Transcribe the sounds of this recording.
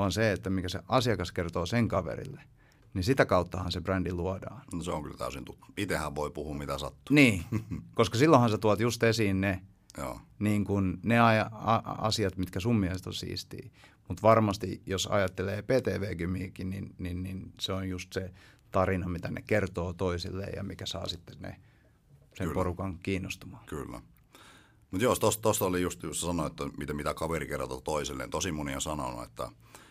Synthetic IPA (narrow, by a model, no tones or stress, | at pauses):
ɑnseet̪ːæmikæsḛʔɑsiɑkɑskert̪oːseŋkɑʋḛrḭlːe | nisit̪ækɑut̪ːɑhɑnsebrændiluɑdɑ̰ːnnoseo̰ŋky̰lt̪æ̰ysint̪ut̪ːu̥it̪ehæʋʋoipuhuːmmit̪æsɑ̰t̪ːu̥niːkoskɑsilːõhɑnset̪uɑt̪just̪esiːnne | jo̰ːniːŋkunneɑjɑɑɑ̰siɑt̪mit̪kæsummiehest̪o̰sḭːst̪ḭːmut̪ʋɑrmɑst̪ijosɑ̰jɑt̪ːeleːpeːt̪eːʋeːkymiːkininninninseonjust̪set̪ɑrinɑmit̪ænḛkert̪oːt̪oisilːḛːjɑ̰mikæsɑ̰ːsit̪ːe̥nḛ | semporukɑŋkiːnːost̪umɑ̥ːkylːæ̰ | mut̪joˑst̪ost̪ost̪olijust̪jusesɑnoet̪ːæmit̪æmit̪ækɑʋerikerɑ̰t̪ot̪oiselːḛːnt̪osimuniosɑno̰nṵḛt̪ːæ̰